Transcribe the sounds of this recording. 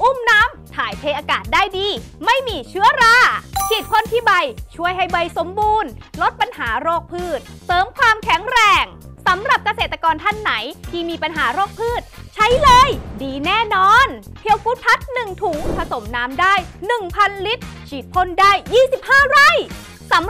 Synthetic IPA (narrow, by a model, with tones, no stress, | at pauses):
ʔu˧˥˩mnaː˦˥mt̪ʰaː˩˦jt̪ʰeː˧ʔaː˧kaː˨˩t̪̚daː˥˩jdiː˧ | ma˥˩jmiː˧t͡ɕʰɯ˦˥ɐɾaː˧˩t͡ɕʰi˨˩t̪̚pʰo˥˩nt̪ʰiː˥˩ba˧jt͡ɕʰu˥˩əjɦa˥˩jbɤː˧jso˩˦mbuː˧nlo˦˥t̪̚pa˧nhaː˩˦ɾoː˥˩k̚pʰɯː˥˩t̪̚ | sɤː˩˦mkʰwaː˧mkʰɛ˨˩˦ŋɾɛː˧˩ŋ | sa˩˦mɾa˨˩p̚ka˧seː˨˩t̪ːa˧kɔː˧nt̪ʰa˥˩nːa˩˦jt̪ʰiː˥˩miː˧pa˧nɦaː˩˦ɾoː˥˩k̚pʰɯː˥˩t̪̚t͡ɕʰa˦˥jlɤː˧jdiː˧nɛː˥˩nɔː˧npʰi˧əwkuː˦˥t̪̚pʰa˦˥t̪̚nɯ˨˩ŋt̪ʰu˨˩˦ŋpʰa˧so˩˦mnaː˦˥mdaː˥˩jnɯ˨˩ŋpʰa˧nli˦˥t̪̚t͡ɕʰiː˨˩t̪̚pʰo˥˩ndaː˥˩jːiː˥˩si˨˩p̚haː˥˩ɾa˧˥˩j | sa˩˦m